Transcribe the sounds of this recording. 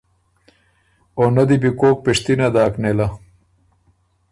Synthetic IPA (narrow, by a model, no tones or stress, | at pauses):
onad̪ibikoːk̚piʂt̪inad̪aːknela